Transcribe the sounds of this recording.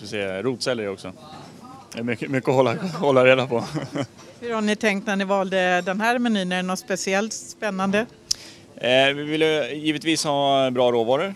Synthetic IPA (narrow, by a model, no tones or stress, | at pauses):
sɛːɾuːt̪sɛlːəɾɔksɔ | mʏkəmʏkːəɔhɔlːahɔlːaɾeːd̪apʰɔ | hɵɾhaɳɪt̪ʰɛŋkt̪næɳɪvɑːld̪əd̪ɛnɦæːɾmɛniːnənɔt̪spɛsɪɛlt̪spɛnːand̪ə | vɪvɪlːəjiːvət̪viːshɑːbɾɑːɾoːvɑːɾəɾ